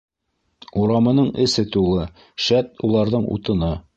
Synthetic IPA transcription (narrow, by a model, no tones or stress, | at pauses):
uɾɑmɤ̆nɤɴɘ̆sɘt̪ulˠɤ | ʃæt̪̚ulˠɑɾðɤɴṵt̪ɤ̆nɤ